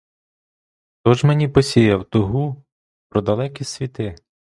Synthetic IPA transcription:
t̪ɔʒmenʲipɔsʲijɐwt̪ʊɦu | pɾɔd̪ɐlˠɛkʲisʲʋʲit̪ɪ

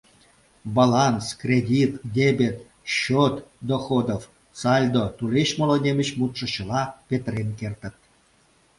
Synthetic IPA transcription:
bɑlɑnskrʲedʲit̪d̪ʲebʲet̪ | ɕot̪d̪oxod̪of | sɑlʲd̪ot̪uleɕmŏlonʲemʲə̆ɕmut̪ʂɤ̆ɕə̆lɑpʲet̪renkert̪ə̆t̪̚

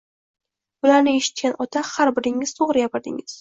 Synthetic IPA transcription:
bʊlaɾnɪeʃɪ̥t̪̚kʲanɒt̪ʰahaɾbɪɾɪŋɪz̥t̪ʰoʁɾɪjapɪɾd̪ɪ̰ŋɪz̥

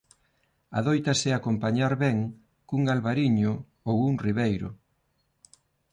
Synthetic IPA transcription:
a̰ðojt̪asɪakompaɲaɾβɛŋ | kuŋɡalβaɾiɲʊ | owuŋriβejɾʊ̰

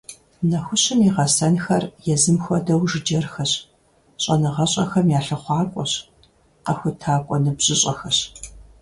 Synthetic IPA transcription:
nɐxʷʊɕɪmiʁɐsɐnxɐrjɛzɨmxʷɔdɐwʒɨd͡ʒɐrxɐɕ | ɕʼɐnɨʁɐɕʼɐxɐmjaːɬɐχʷɑːkʷʼɔɕ | qɐxʷʊtʰaːkʷʼɔnɨbʑ̥ɪɕʼɐxɐɕ

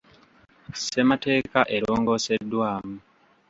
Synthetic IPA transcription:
se̞mate̞ːkaʔe̞ɾo̞ːŋɡo̞ːse̞dːwaːmu

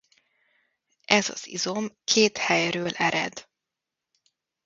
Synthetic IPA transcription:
ʔɛzɒ̰z̥ḭzo̞mkʰeːt̪hɛjrøːlʔɛɾɛ̰d̪

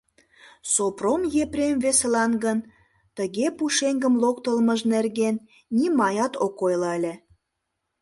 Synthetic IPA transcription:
sopromjepɾʲemveselɑnɡən | t̪əɣepuʃeŋɡəmlokt̪əlməʒnerɣenː | imɑjɑt̪okojlɑəlʲĕ

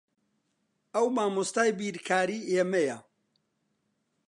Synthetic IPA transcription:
ɐwmaːmust̪aːjbiːɾkʰaːɾiːʔeːmeja

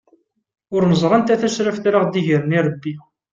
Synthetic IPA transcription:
ʊɾnəzˤɾˤɑnt̪æθæʃɾəfθɾaʁd̪iʝəɾniɾˤəbːi

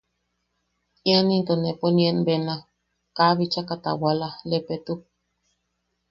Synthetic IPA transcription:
ianint̪oneponienbena | kaβit͡ʃakat̪a̰walalepet̪u

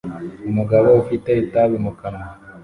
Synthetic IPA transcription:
umuɡaβoufiteitaβimukama

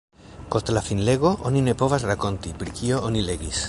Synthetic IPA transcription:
ko̞st̪lafinle̞ɡo̞ʔonine̞po̞vasɾako̞nt̪ipɾikio̞onile̞ɡis

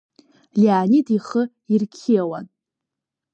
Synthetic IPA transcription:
liaːnidiχə | irkʲʰiawa̰n

